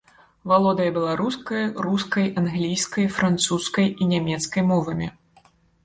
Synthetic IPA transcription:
valˠɔd̪ɐjɐbʲɛlˠaɾuskɐjruskɐjʔanɣlʲijskɐjfɾant̪suskɐjinʲamʲɛt̪skɐjmɔvɐmʲḭ

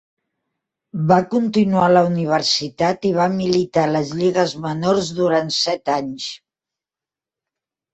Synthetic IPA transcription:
bakunt̪inualəuniβ̞əɾsit̪at̪iβ̞amilit̪aləzʎiɣəzmənoɾzðuɾant̪sɛt̪aɲs

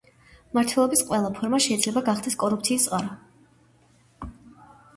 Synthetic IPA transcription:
maɾt̪ʰwɛlˠɔbisqʼwɛlˠapʰɔɾmaʃɛid̪zlɛbaɡaχd̪ɛskʼɔɾupʰt̪sʰiːst̪sʼaɾa

